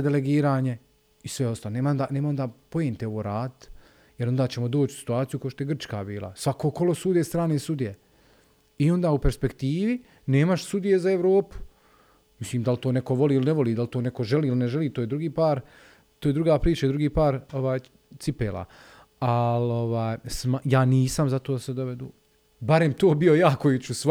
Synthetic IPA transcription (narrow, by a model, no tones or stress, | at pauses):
d̪eleɡiːɾaːɲe̞ | isʋeo̞st̪aloneːmaond̪aneːmaond̪aːpo̞jeːnt̪eo̞ʋoːɾaːd̪t̪ | jeɾo̞nd̪aːt͡ɕemo̞d̪oːt͡ʃsi̥t̪uaːt̪sijukaoʃt̪o̞jeɡr̩t͡ʃka̰ːbiːlˠa̰sʋakoko̞lo̞suːd̪eːst̪ɾaːneːsud̪ije | io̞nd̪aːupeɾspe̞kt̪iːʋi | ne̞ːmaʃsud̪ije̞zaeʋɾo̞ːpu̥ | misliːmd̪alt̪oːneko̞ʋo̞liːilineʋo̞liːd̪alt̪oːnekoʒeliːilineʒeliːt̪oːjed̪ɾuɡiːpaːɾ | t̪oːjed̪ɾuɡaːpɾiːt͡ʃaid̪ɾuɡiːpaːɾo̞ʋaːj | t̪ipeːlˠa̰ː | alo̞ʋaːjsmajaːniːsamzat̪oːd̪ased̪oʋed̪ṵː | baɾe̞mt̪oːbijo̞jaːkojut͡ɕus